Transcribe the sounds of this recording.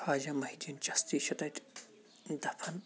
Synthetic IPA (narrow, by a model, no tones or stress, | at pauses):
faːd͡ʒɐmɐɦid͡ʒint͡ʃɐst̪iːʃɐt̪ɐtʲ | d̪ɐpʰɐn